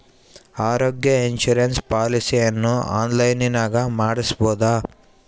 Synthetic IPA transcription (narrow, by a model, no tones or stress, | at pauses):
aːɾoːɡjɐinʃuɾenspaːlisijɐnːua̰ːnlɐjninaːɡɐmaːɽisboːd̪a